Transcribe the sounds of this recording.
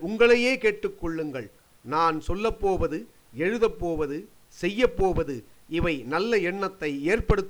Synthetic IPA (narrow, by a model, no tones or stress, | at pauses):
ʊŋɡɐɭɐjeːkeːʈːɯkːɔɭːɯŋɡɐɭ | naːnsɔlːɐpːoːʋɐðɯ | ɛɻɯðɐpːoːʋɐðɯ | sɛjːɐpːoːʋɐðɯɪʋɐɪnɐlːɐɛɳːɐt̪ːɐɪeːrpɐɽɯt̪ː